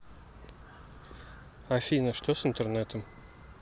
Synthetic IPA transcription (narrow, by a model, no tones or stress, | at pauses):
afʲinəʂt̪osɪnt̪ernet̪əm